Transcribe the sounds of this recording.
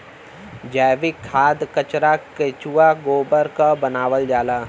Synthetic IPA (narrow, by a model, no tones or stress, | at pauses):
d͡ʒaːʋɪkʰːaːd̪kət͡ʃɾaket͡ʃuːaɡoːbəɾkabənaːʋəld͡ʒaːlaː